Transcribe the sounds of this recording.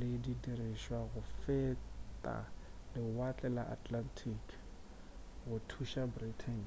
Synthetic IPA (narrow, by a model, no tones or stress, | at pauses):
lɪdidiriʃwaɣʊfetʼa̰lɪwat͡ɬʼɛla̰ʔatʰʼlantʰikʰ | ɣʊtʰuʃabritʰɛn